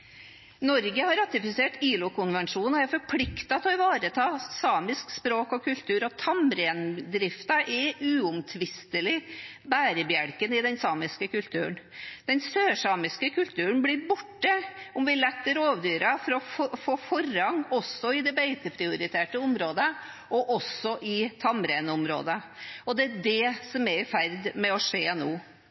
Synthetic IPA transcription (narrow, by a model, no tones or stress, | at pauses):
nɔɾɡəhɑɾːɑt̪ɪfɪseːʈiːlʊkʊnʋɛnʂuːnɔæɾfɔɾpʰlɪkt̪ɑt̪ɔɪʋɑːɾət̪ʰɑːsɑːmɪskspɾoːkɔkʰʉlt̪ʰʉːɾɔt̪ʰɑmɾɛːnd̪ɾɪft̪ɑʔɛʔʉːʊmt̪ʰʋɪst̪əlɪ | bæːɾəbjæɽkənɪd̪ɛnsɑːmɪskəkʉlt̪ʰʉ̰ːəɳd̪̥ɛnsøːʂɑːmɪskəkʰʉlt̪ʰʉːəɳblɪɾbʊʈːəʊmʋɪlɛt̪ːəɾoːʋd̪yːɾɑfɔɾɔfoːfɔɾɑŋɔsːɔɪd̪ɛbæɪt̪əpʰɾɪʊɾɪt̪ʰeːʈəʊmɾoːd̪ə | ʔɔʔɔsːɔʔɪt̪ʰɑmɾeːnʊmɾo̰ːd̪əɔd̪ɛæd̪ɛsɔmɛɾɪfæɾd̪mɛɔʂeːnoː